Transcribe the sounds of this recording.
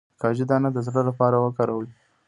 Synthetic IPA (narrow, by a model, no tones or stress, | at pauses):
kɑʒid̪ɑnad̪əzɽəlapɑɾawəkɑɾawəi